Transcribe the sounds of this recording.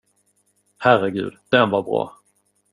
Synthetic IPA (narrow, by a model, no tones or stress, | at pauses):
hærɛɡʉ̟̰ːd̪d̪̥ɛnvaɾbɾɑ̰ː